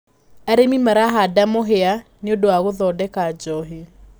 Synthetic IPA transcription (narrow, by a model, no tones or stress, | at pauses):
aɾemimaɾaɦadamoɦeaneodoaɣoðɔdɛkad͡ʒɔɦi